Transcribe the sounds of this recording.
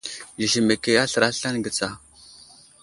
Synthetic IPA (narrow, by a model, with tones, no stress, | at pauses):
ji˨ʃi˨me˨ke˨ja˦ɬɾa˦ɬa˦nɡə˨t͡sa˨